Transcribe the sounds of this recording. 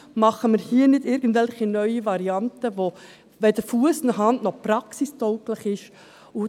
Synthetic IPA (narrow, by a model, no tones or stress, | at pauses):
mɑχəməɾhiːnɪdɪɾɡən̩tvɛlχinœʏivɑɾiɑntəʋo | vɛdəɾfuəsɪnəɦɑndnɔprɑksistœʊklɪχɪʃ | ʊ